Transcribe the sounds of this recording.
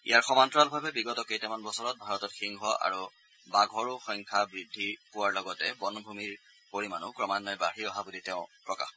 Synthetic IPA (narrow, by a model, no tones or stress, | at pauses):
ḭjaɹxɔmantɹalbʱabɛbiɡɔtɔkejtɛmanbɔsɔɹɔt̚bʱaɹɔtɔtxiŋɦɔʔa̰ɹu | baɡʱɔɹʊxɔŋkʰabɹidʱːipʊwaɹlɔɡɔtɛbɔnbʱumiɹ | poɹimanʊkɹɔmanːɔjbaɹiɔɦabuditɛʊ̃pɹɔka̰x